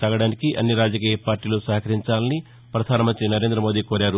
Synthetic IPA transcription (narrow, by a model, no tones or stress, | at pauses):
ɐɡɐɽaːnikiʔɐ̰nːiɾaːd͡ʒɐkiːjɐpaːɾʈiːloːsɐɦɐkʰɐɾiɲt͡ʃaːlɐni | pɾɐd̪ʱaːnɐmɐnt̪ɾinɐɾe̞ːnd̪ɾɐmoːd̪iːkoːɾaːɾu